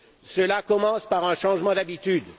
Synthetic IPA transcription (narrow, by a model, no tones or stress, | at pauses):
səlakɔmɑ̃spaʁɛ̃ʃɑ̃ʒmɑ̃d̪abit̪yd̪